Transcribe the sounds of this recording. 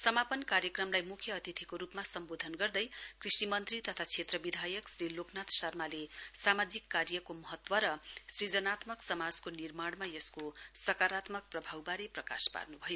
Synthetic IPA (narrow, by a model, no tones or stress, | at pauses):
sʌmapʌnkaɾjʌkrʌmlajmukʰjʌːt̪it̪ʰikoɾupmasʌmbod̪ʱʌnɡʌrd̪ʌjkrisimʌnt̪rit̪ʌt̪ʰat͡sʰet̪rʌbid̪ʱajʌksriloknat̪sʌrmalesamad͡zikːarjʌkomʌɦʌt̪wʌɾʌsrid͡zʌnat̪mʌksʌmad͡zkonirmaɽmajʌskosʌkaɾat̪mʌk̚prʌbʱawbaɾiprʌka̰spa̰rnubʱʌjo